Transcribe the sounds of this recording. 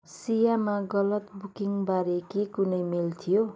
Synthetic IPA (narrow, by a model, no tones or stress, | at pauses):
sijamaɡʌlʌt̪bukiŋbaɾekekunʌjmilt̪ʰijo